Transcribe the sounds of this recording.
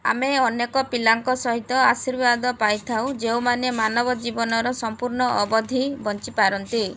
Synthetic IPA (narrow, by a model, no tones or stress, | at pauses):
a̰meɔnekɔpilaŋkɔsɔɦit̪ɔasiɾbad̪ɔpajt̪ʰaw̃d͡ʒeũmanemanɔbɔd͡ʒibɔnɔɾɔsɔmpuɾɳɔʔːbɔd̪ʱibɔnt͡ʃipaɾɔnt̪i